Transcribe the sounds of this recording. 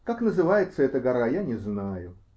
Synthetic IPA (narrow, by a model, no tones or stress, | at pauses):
kaknəzɨvajɪt̪səɛt̪əɡɐɾajanʲɪznajʊ